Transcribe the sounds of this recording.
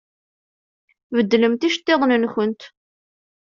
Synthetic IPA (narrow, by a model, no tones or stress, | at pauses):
vəd̪ːləmt̪iʃt̪ːeðˤnənçənt̪